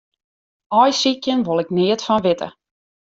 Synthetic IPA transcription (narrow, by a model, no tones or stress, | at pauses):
ɔjsikjənʋolˠɪknɪətfɔnʋɪtə̰